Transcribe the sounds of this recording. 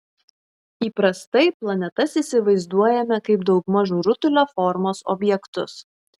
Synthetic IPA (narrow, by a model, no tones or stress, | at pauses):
iːpɾɐst̪ɐɪplˠɐnʲɛt̪ɐsisʲɪʋɐɪzd̪uɔjɛmʲɛkɐɪpd̪ɒʊkmɑʒuːɾʊt̪ʊlʲoːfɔɾmoːsɔ̰bʲjɛkt̪ʊs